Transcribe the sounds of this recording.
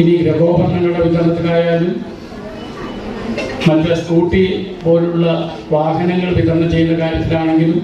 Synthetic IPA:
iniɡɾeɡo̞ːbɐrnɐŋːɐɭɽeʋid̪ɐnɐt̪ːɐkaːjaːlum | mɐtːɐsʈuːʈːipo̞ːluɭːɐ | ʋaːɦɐnɐŋːɐɭpikːɐnːɐt͡ɕe̞jːund̪ɐkaːɾjɐt̪ːilaːɳe̞ŋɡilu

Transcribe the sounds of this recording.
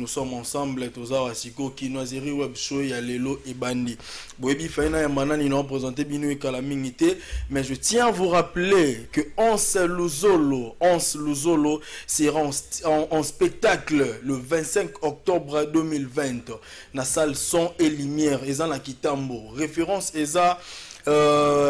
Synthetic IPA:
usɔmɑ̃sɑ̃mblɛtozawasikokinwazeʁiwɛbʃojaleloʔebandi | bojebifainajamananinaopʁezɑ̃tebinoekalamiŋɡitɛmɛʒətjɛ̃avuʁaplekəɑ̃sɛluzoloɑ̃sluzoloseʁãsʔːspek̚taklləvɛ̃tsɛ̃kɔk̚tɔbʁadømilvɛ̃t | nasalsɔ̃elimjɛʁezanakitamboʁefeʁɑ̃seza

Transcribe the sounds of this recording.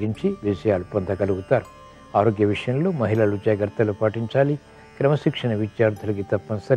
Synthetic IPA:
ɡiɲt͡ʃiʋid͡ʒɐjaːlupɐnd̪ʰʱɐkɐluɡut̪aːɾu | aːɾoːɡjɐʋiʂɐjɐmloːmɐɦilɐlud͡ʒɐːjɐɡɐɾt̪ːɐlupaːʈiɲt͡ʃaːli | kɾɐmɐʃikʂɐɳɐʋid͡ʒjaːɾd̪ʰʱulɐk̬it̪ɐpːɐnɐsɐɾi

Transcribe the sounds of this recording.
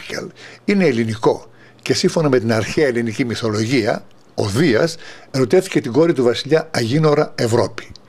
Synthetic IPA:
çḛline̞ːliniko̞ | ce̞siɱfo̞nɐme̞t̪inɐɾçeɐelinicimiθo̞lo̞ʝiɐ̰ | o̞̰ðiɐseɾo̞t̪e̞θi̥ce̞t̪iɡo̞ɾit̪uvɐsiʎɐɐʝino̞ɾɐe̞vɾo̞pi̥

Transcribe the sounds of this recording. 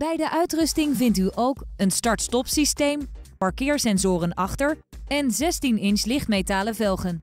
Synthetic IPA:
b̥ɛjdəʔœɥtrɵstɪŋvɪntyʔowkənstɑɹtstɔpsistejmpɑɹkɪːɹsɛnzʊːrənɑχtəɹ | ɛnzɛstinɪnslɪχtmejtaːləvɛlˠχən

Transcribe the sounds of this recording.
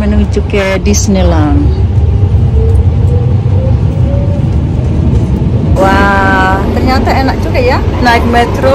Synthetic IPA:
mɛnɔŋit͡ʃukɛdisnelaŋ | wa | t̪ərɲat̪aenak̚t͡ʃukaja | naik̚mɛt̪ɾo

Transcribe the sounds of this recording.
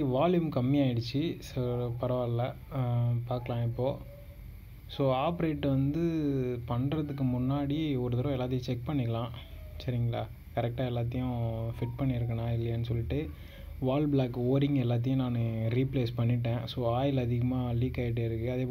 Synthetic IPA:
iʋaːljumkɐmːɪjaːjɪɽɯt͡ʃːɯsɐɾpɐɾɐʋaːlɐ | paːɾkɐɭãːɪpːoː | soːaːpɾeːʈːʋɐnd̪ɯpɐɳɾɐðɯkːɯmʊnːaːɽiɔɾɯt̪ɐɾɐ̃ɛlːaːt̪̬ːɪjʊ̃t͡ʃɛk̚pɐɳːɪkːɐlãː | sɐɾɪŋɡɐɭa̰ː | kɐɾɛk̚ʈaːɛlːaːt̪̬ːɪjʊ̃fɪʈ̚pɐɳːɪɾɯk̬ːɐnaːɪlːɐjɐːnːɯsɔlːɪʈːɯ | ʋaːlbɭaːkːoːɾɪŋɡɛlːaːt̪̬ɐjʊ̃naːnɯɾiːpleːspɐɳːɪʈːẽːsoːaːjɪlɐðɪɣɐmaːliːkaːɪʈ̬ːeːɪɾɯkːɯɐðeːp

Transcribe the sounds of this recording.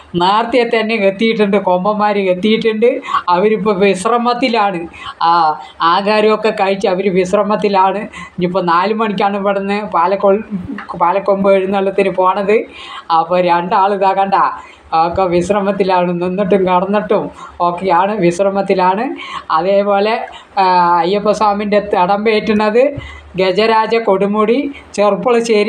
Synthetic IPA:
naːrt̪ijɐt̪ːɐnːeket̪ːijiʈ̬ːuɳɖɨko̞mbɐmaːɾiket̪ːijiʈːuɳɖɨɐʋɐɾip̬ːoʋiɕrɐmɐt̪ːilaːɳɨ | aːɣaːɾɐmokːekɐɻit͡ɕːɨɐʋɐɾɨʋisrɐmɐt̪ːilaːɳɨiɲipːonaːlumɐɳikʲːaːɳɨpɐɽɐnːɨpaːlɐkːoɭpaːlɐkːombɨɐɻunːɐɭːɐt̪ːinɨpo̞ːɳɐðɨɐpːoːɾeɳɖaːɭɨðaːɣaːɳɖaː | kːeʋisrɐmɐt̪ːilaːɳɨninːiʈːumkɐɽɐnːɐʈːumo̞ːkːejaːɳɨʋisrɐmɐt̪ːilaːɳɨɐðeːpo̞ːle̞ | ɐjːɐpːɐsaːminde̞t̪ɐɽɐmbeːʈːunːɐðɨ | ɡed͡ʑɐɾaːd͡ʑɐko̞ɽumuɽit͡ɕerpːuɭɐɕeːɾi

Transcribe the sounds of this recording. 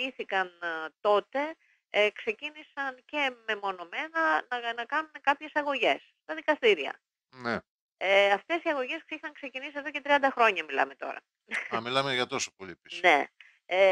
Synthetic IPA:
iθikɐnt̪o̞t̪e̞ | kse̞cinisɐnce̞me̞mo̞no̞me̞nɐnɐnɐkɐnune̞kɐpçe̞sɐɣo̞ʝe̞s | t̪ɐðikɐst̪iɾiɐ̰ | ne | eɐft̪e̞siɐɣo̞ʝe̞skixɐŋkse̞cinisie̞ðo̞ce̞t̪ɾiɐnd̪ɐxɾo̞ɲɐmilɐ̰me̞t̪o̞̰ɾɐ̰ | ɐmilɐmeʝɐt̪o̞sopoʎipisne̞ | e

